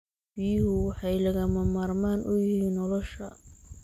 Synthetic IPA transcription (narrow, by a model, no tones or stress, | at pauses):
b̥iːjhʊwɑħɑjlɐɣɐmɐmaːrmaːnʔʊjɪhiːnːɔlɔʃɐ